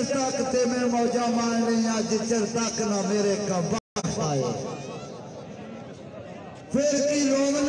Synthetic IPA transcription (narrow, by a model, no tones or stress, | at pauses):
sakt̪eːmẽːmɔːd͡ʒaːmaːnẽːjãːd͡ʒɪt͡ʃəɾt̪aknãːmeːɾeːkəbasaːɦḛː | pʰɪɾkiːloːɡn